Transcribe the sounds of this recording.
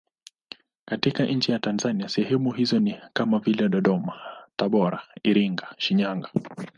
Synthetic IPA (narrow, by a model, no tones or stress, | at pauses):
katikaʔɲ̩t͡ʃɛjatanzaniasɛhɛmuɦizɔnikamavilɛɗɔɗɔmataɓɔɾaiɾiŋɡaʃiɲaŋɡa